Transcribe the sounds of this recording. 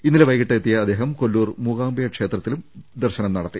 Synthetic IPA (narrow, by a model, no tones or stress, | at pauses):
inːilʋɐjkiʈːɐet̪ːijɐːd̪ːeːɦɐmkolːuːrmuːɣaːmbɐjɐkʂe̞ːt̪rɐt̪ːilumd̪ɐrɕɐnɐmnɐɽɐt̪ːi